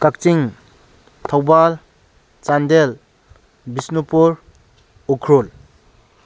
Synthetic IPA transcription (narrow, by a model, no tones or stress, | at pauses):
kak̚t͡ʃiŋ | t̪ʰɔwbal | t͡ʃandel | bisnupuɾ | ukʰɾul